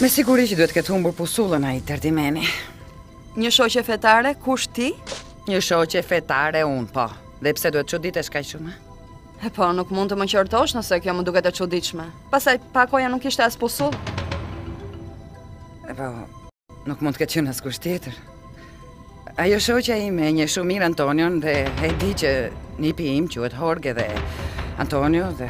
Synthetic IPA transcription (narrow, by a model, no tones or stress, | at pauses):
mɛsiɡuɾit͡ʃd̪uhɛt̪əkɛt̪humbuɾpusulˠənait̪ɛɾd̪imɛni | ɲəʃɔcɛfɛt̪aɾɛkuʃt̪i | ɲəʃɔcɛfɛt̪aɾɛunpɔ | ðɛpə̥sɛd̪uhɛt̪̚t͡ʃud̪it̪ɛʃkaʃumɛ | ɛpɔnukmund̪t̪əməcɔɾt̪ɔʃnəsɛkjɔməd̪ukɛt̪ɛt͡ʃud̪it̪ʃmɛpasajpakɔjanukiʃt̪ɛaspɔsu | ɛpɔ | nukmunkɛt̪t͡ɕənaskuʃt̪jɛt̪əɾ | ajɔʃɔcaimɛɲəʃummːiɾant̪ɔnjɔnðɛɦɛnd̪icənipiimt͡ɕuhɛt̪ɦɔɾɡɛðɛ̰a̰nt̪ɔnjɔðɛ